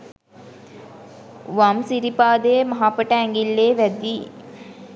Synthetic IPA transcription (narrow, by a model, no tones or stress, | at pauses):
ʋamsiɾipaːd̪emɐɦaːpəʈəæŋɡilːeːʋæd̪iː